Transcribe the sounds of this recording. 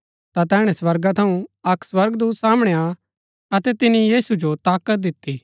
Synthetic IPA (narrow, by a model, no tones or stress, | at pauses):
t̪at̪ɛːɽ̃ɛswɐɾɡat̪ʰɐũɐkswɐɾɡd̪uːt̪saːmɽ̃ea | ɐt̪ɛt̪ɪnijiːsud͡ʒot̪aːkət̪̚d̪ɪt̪ːi